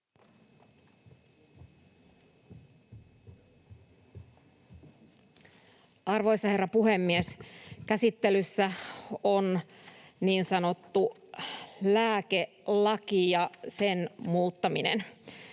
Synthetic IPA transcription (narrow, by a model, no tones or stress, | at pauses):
ɑrʋo̞jsːɑhe̞rːɑpuhe̞mːieskæsit̪ːe̞lysːæon | niːnsɑno̞t̪ːu | læːke̞ | lɑkijɑsenmuːt̪ːɑminḛn